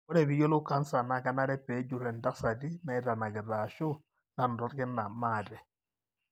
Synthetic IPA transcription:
ɔ˦ɾɛ˨βi˦jɔ˦lʊ˦ka˦nsa˨na˨ka˦na˦ɾɛ˦pɛ˨˦d͡ʒu˨ɾɛ˨nda˦ksa˨di˦na˨i˦ta˨na˨ɡɛ˨ɾa˨ʃɔ˦ | na˨n˨dɔ˦ɾkɪ˦nːa˨ma˦˨tɛ˨

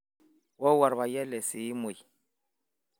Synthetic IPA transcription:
wɔ˦wa˨ɾβa˨jɛ˦lɛ˨si˨i˦mu˨

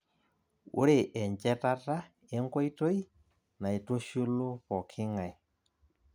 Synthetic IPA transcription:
ṵ˦ɾe˦˨ʔɛ˨ɲt͡ʃɛ˦ta˦ta˦ | ɛ˦ŋkɔ˦i˦to˦i˦ | na˨i˨to˦ʃu˦lo˦pɔ˨kʰɪ˦ŋa˨

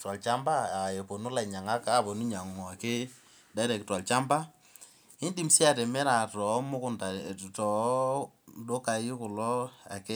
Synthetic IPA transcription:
twa˨lt͡ʃa˦mba˦a˨je˨po˨nu˦la˨ɲa˨ŋa˦ka˨˦˨bɔ˨nu˦ɲa˨ŋɔ˨a˨ke˦ | da˦ɾɛ˨kɪ˨twa˨lt͡ʃa˦mba˦ | ɪ˦ndi˨msi˦a˨tɛ˨mɛ˦ɾa˨tɔ˨˦mʊ˦kʊ˦˨nda˨tɔ˨ | do˦ka˨ji˦kʊ˨lɔ˦a̰˨ke˦

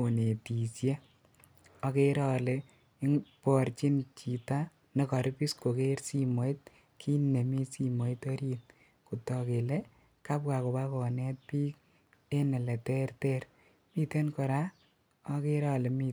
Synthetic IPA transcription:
o˨ne˨ti˨sje˦ | ɔ˧ke˦ɾɔ˦le˨˦ | ŋpɔ˨ɾt͡ʃi˦nt͡ʃi˨ta | ne˨kɔ˨ɾpi˦sko˨ke˦ɾsi˦mo˨it̚ | kʰi˦ne˨mi˦si˦mo˨itɔ˦ɾit | ku˨tɔ˨ke˨le˦ | ka˦pka˨ko˨pa˦kɔ˨nɛ˦t̚piː˦k̚ | e˦nɛ˨le˨tɛ˦rtɛɾ | mi˦te˦nkɔ˨ɾa˦ | ɔ˦ke˦ɾɔ˦le˨mi˧

